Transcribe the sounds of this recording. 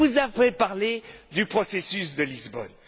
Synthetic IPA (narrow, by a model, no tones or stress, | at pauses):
uzavɛpaʁled̪ypχɔsesysd̪əlizbɔ̰n